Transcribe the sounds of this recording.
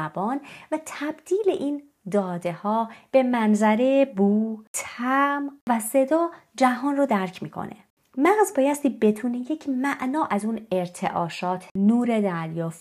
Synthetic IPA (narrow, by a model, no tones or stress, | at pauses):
bɒːnvæt̪ʰæbd̪̥iːle̞ʔiːn | d̪ɒːd̪e̞hɒːb̥e̞mænzæɾebuːt̪ʰæmvæse̞d̪ɒː | d͡ʒæɦɒːnrod̪æɾcʰmiːkʰo̞̰nḛ | mæɣzbɒːjæst̪iːbe̞t̪ʰuːnejecʰmæʔnɒːʔæzuːne̞ɾt̪ʰe̞̰ʔɒːʃɒːt̪ʰnuːɾe̞d̪æɾjɒːf